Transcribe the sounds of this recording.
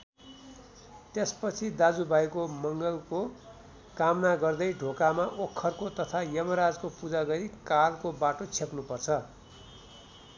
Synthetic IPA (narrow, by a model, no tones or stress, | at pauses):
t̪espʌt͡sʰid̪ad͡zubʱajkomʌŋɡʌlko | kamnaɡʌrd̪ʌjɖʱokamaʔokʰːʌrkot̪ʌt̪ʰajʌmʌɾad͡zkopud͡zaɡʌɾikalkobaʈot͡sʰepnupʌrt͡sʰʌ